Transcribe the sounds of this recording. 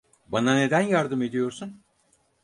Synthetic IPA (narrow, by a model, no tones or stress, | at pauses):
banane̞d̪ænjaɾd̪ɯme̞d̪ijo̞ɾsun